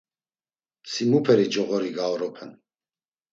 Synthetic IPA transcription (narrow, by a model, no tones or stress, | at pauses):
simupʰɛɾid͡ʒɔɣɔɾiɡaɔɾɔpʰɛn